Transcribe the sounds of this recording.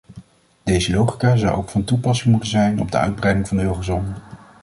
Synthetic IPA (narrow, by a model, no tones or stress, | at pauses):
d̥ejzəlowχikaːzɑwʔo̰wkfɑntupɑsɪŋmutənzɛjnɔ̰b̚də̰œ̰ɥd̚brɛjdɪŋvɑndəøχəzɔnə